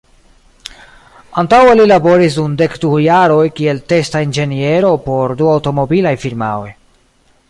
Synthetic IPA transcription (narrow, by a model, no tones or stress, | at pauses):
antawelilabo̞ɾis̬dunde̞kdujaɾo̞jkie̞lte̞staind͡ʒe̞nie̞ɾo̞po̞ɾduawto̞mo̞bilajfiɾma̰oj